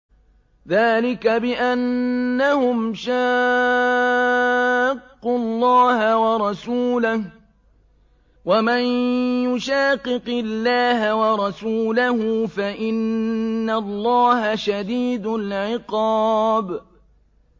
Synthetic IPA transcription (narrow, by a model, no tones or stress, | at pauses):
ðaːlɪkabɪʔanːahʊmʃaː | qːʊlˤːɑːhawɑɾˤɑsuːlah | wamanjʊʃaːqːɨqɪlːaːɦawɑɾˤɑsuːlahʊfaʔɪnːalˤːɑːhaʃad̪iːd̪ʊlʕɪqɑːb